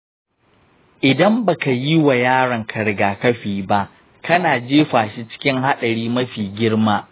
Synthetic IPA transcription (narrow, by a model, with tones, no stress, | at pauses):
ʔɪ˨dɐ˦mba˨ka˨ji˦wa˨jaː˦ɽɐ˨ŋkʰɐ˨ɽɡaː˨kɐ˦ɸiː˨ba˦ʔ | kɐ˦naː˨d͡ʒeː˦ɸaː˨ʃi˦t͡ʃɪ̥˦kʲɪ˦ŋɦa˦ɗɐ˨ɽiː˦mɐ˦ɸiː˨ɡʲɪ˦ɽmaː˦